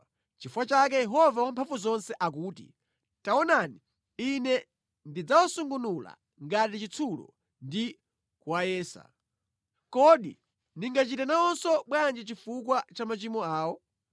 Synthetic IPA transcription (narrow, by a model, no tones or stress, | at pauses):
t͡ʃifuwat͡ʃak̬ɛjɛɦɔvawampʰaɱvuzɔnsɛʔak̬uːtḭ | taɔnani | inɛ | ndid͡zawɔsuŋɡunula̰ | ŋɡatit͡ʃit͡sʰulɔ̰ | ndi | kuwajɛːsa̰ | kɔɗḭ | niŋɡat͡ʃitɛnaɔnsɔɓwand͡ʒɛt͡ʃifukwat͡ʃamat͡ʃimɔaːwɔ